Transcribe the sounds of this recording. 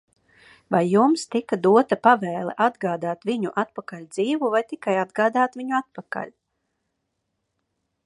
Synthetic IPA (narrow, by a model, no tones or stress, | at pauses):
vajːumst̪ikad̪uɔt̪apavɛːlˠɛ̰ʔad̪ɡaːd̪aːt̪viɲuʔat̪̚pakalʲd̪ziːvuvajt̪ikajad̪ɡaːd̪aːt̪vʲiɲuat̪̚paka̰lʲ